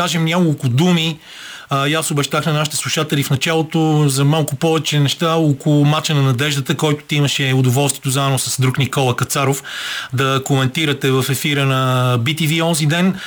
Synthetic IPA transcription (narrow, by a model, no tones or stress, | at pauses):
aʒɛmnʲakolˠkʊd̪umi | jasobɛʃt̪axnɐnaʃi̥t̪ɛ̥slˠuʃat̪ɛlifnɐt͡ʃalˠot̪ozɐmalˠkʊpɔvɛt͡ʃɛnɛʃt̪aokolʊmat͡ʃənɐnɐd̪ɛʒd̪ət̪əkɔjt̪ʊ̥t̪iimɐʃɛʊd̪ʊvɔlˠst̪viɛt̪ozaɛnosɐsd̪ɾuknikɔlˠɐkɐt̪saɾofd̪ɐkomɛnt̪iɾɐt̪ɛvɐfɛfiɾənɐbit̪iviɔnzid̪ɛn